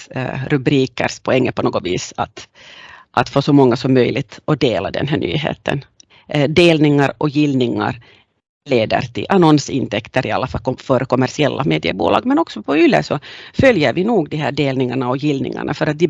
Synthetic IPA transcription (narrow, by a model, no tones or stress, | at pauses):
ɾʉbɾiːkə̰ɾʂpʰɔɛŋːəpʰɔnoːɡɔviːsat̪ | ʔat̪foːsɔmɔŋːasɔmːœjlɪt̪ɔd̪eːlad̪ɛ̰nɦæːɳy̰ːɦḛːt̪ʰə̰n | d̪eːlnɪŋaɾɔjɪlnɪŋa̰ɾ | leːd̪ə̰ɾt̪ʰɪ̰lʔanɔnsɪnt̪ʰɛkt̪əɾʔɪa̰lːafalfœɾkɔmːæʂɪɛlːameːd̪ɪə̰bṵːlɑ̰ːɡmɛnɔksɔpʰɔʏlːə̰ʂɔfœljəɾvɪnuːɡd̪ɪɦæːɖeːlnɪŋaɳaɔjɪlnɪ̰ŋa̰ɳafœɾat̪̚d̪ɪ